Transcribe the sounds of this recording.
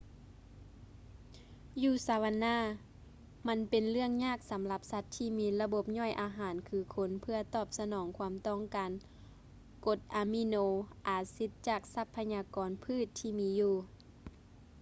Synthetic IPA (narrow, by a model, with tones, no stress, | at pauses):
juː˧˩saː˨˧˦wa˧nːaː˧˥˨ | ma˧˥npe˨nlɯ˥˩əŋɲaː˥˨k̚sa˨˦mla˧˦p̚sa˧˥t̪ʰːiː˧˩miː˧la˧bo˧˦p̚ɲɔ˧˥˩jʔaː˨˦ɦaː˨˦nkʰɯː˧˦kʰo˧˥npʰɯ˧ɐt̪ɔː˧˩p̚sa˧nɔː˨˩˦ŋkʰwaː˧˦mt̪ɔ˧˩˨ŋkaː˨˦n | ko˧˦t̪̚ʔaː˨˧˦mi˧noː˧ʔaː˨˩si˧˦t̪̚t͡ɕaː˨˩k̚sa˧˥pʰːa˧ɲaː˧kɔː˨npʰɯː˧˥˨t̪ʰːiː˧˩miː˧juː˧˩